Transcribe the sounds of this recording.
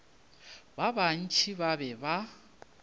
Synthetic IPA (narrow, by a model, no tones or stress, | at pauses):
baban̩t͡ʃʰiβabɛba